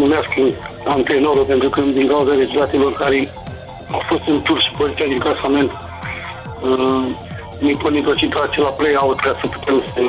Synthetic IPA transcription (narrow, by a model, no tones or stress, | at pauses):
mumeaskɨnant̪ɾenoɾopent̪ɾukəd̪iŋkawzaɾezut̪at̪ilorkaɾe | awfost̪ɨnt̪uɾʃi̥pəɾit̪ʲijad̪iŋkasame̞nt̪ | niponit̪ot͡ʃit̪at͡ʃelaplejaut̪kasəpu̥t̪ʰemsə